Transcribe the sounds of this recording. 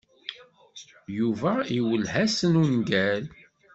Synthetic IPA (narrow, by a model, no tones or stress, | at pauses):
juvæiwəlhæsənunɡæl